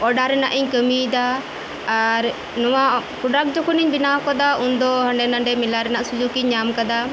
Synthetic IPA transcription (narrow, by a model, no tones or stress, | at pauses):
ɔɖaɾɛna̰ʔiɲkəmid̪aː | ɾ | nɔwakuɖak̚d͡ʒɔkʰuniɲbinakad̪aund̪ɔɦə̃ɳɖɛnaɳɖɛmilaɾɛnaʔsud͡ʒukiɲːamkad̪a